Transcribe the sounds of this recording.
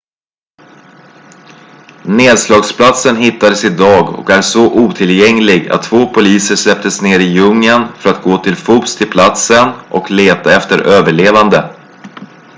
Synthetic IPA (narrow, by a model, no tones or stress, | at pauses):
neːd̪slɑːɡspʰlat̪sənɦɪt̪ːad̪əsɪd̪ɑːɡɔ̰kæʂɔʔuːt̪ʰɪljɛŋlɪɡa̰t̪ʰːvoːpʰʊliːsəʂlɛp̚t̪əsneːɾɪjɵŋːənfœɾat̪̚ɡoːt̪ʰɪlfuːpst̪ʰɪlpʰlat̪sənʔɔ̰kleːt̪aɛft̪əɾʔøːvəɭeːvand̪ə